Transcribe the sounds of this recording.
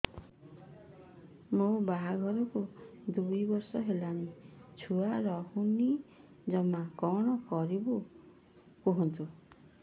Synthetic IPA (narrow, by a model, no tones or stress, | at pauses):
mobaɦaɡʱɔɾukod̪ujbɔɾsɔɦelanit͡sʰuaɾɔhuni | d͡zʌmakɔɽ̃ɔkɔɾibu | kuɦɔnt̪ʰu